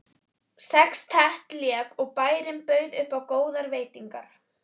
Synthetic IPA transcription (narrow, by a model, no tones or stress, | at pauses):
sɛkst̪ʰɛht̪ljɛːkɔɣpaːjɾɪmpœːɥðʏhpawkoːwðaɾveːjt̪iŋka̰ɾ̥